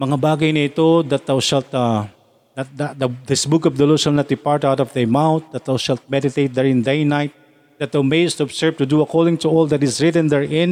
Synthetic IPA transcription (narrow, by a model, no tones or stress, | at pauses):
mɐŋabaːɡɐjnɐɪt̪od̪ɐt̪̚d̪awʃɛlt̪a | nɐt̪̚d̪ad̪ɐd̪ɪsbʊkɔfd̪ɐloʃɛlnat̪̚d̪ɪpaɹt̪awt̪ɔvd̪ɛmawnt̪̚d̪ɐt̪̚dawʃɛlt̪̚mɛd̪ɪt̪ejt̪̚d̪ɛɹɪ̃nd̪ejnajt̪̚ | d̪̥ɐt̪̚d̪awmejst̪uɔbsɛɹvt̪ʊd̪uɐkolɪ̃ŋt̪ʊɔlˠd̪ɐt̪ɪsɹɪt̪ɛ̃nd̪ɛɹʔɪ̃n